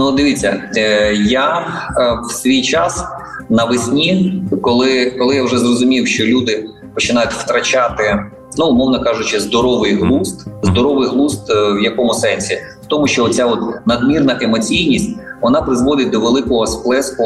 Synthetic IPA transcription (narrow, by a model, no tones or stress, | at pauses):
nud̪ɪʋʲit͡sʲːɐ̰ | ja | wsʲʋʲijt͡ʃas | nɐʋɪsʲnʲikɔlˠɪkɔlˠɪjawʒɛzrɔzʊmʲiwʃt͡ʃɔlʲud̪ɪ | pɔt͡ʃɪnɑjʊtʲwt̪ɾɐt͡ʃat̪ɪ | nuːmɔwnɐkɑʒʊt͡ʃɪzd̪ɔɾɔʋɪjɦlˠust̪zd̪ɔɾɔʋɪjɦlˠust̪wjɐkɔmʊsɛnʲsʲi | wt̪ɔmʊʃt͡ʃɔɔtʲt͡sʲaɔt̪nɐd̪mʲirnɐʔemɔt͡sʲijnʲisʲtʲʋɔnɑpɾɪzʋɔd̪ɪt̚ʲd̪ɔʋelˠɪkɔɦɔsplˠɛskʊ